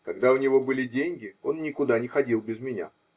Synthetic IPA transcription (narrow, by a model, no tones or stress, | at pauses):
kɐɡd̪aʊnʲɪvo̞bɨlʲɪdʲenʲɡʲɪo̞nːʲɪkʊd̪anʲɪxɐdʲilˠbʲɪzmʲɪnʲa̰